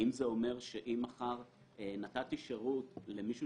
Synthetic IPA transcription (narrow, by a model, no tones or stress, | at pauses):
imzeo̞me̞ʁʃeʔimaχaʁ | enatatiʃeʁutle̞miʃu